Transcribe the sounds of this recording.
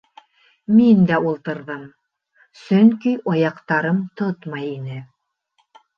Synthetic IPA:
mind̪æulˠt̪ɤ̆ɾðɤm | sɵŋkiʔojɑqt̪ɑɾɤmt̪ot̪mɑjinɘ

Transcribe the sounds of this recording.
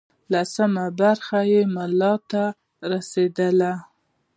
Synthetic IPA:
lasəmabaɾxajemalɑt̪a | ɾased̪əla

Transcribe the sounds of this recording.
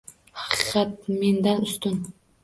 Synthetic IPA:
hɑqʰɨɨqɑt̪̚me̞nd̪anʊst̪ʊn

